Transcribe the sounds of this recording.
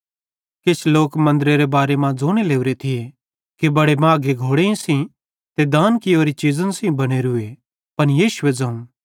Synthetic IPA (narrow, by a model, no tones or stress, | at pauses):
kɪt͡ʃʰloːkmɐ̃nd̪ɾeɾebaːɾemãd͡zoːɽ̃eleːuɾet̪ʰɪe | kibɐɽemãːɡeɡʱoːɽeĩsĩ | t̪ed̪aːnkɪoːɾit͡ʃizə̃nsĩbɐɽ̃eɾʊe | pɐnjiːʃʊʋed͡zɐ̃ːũ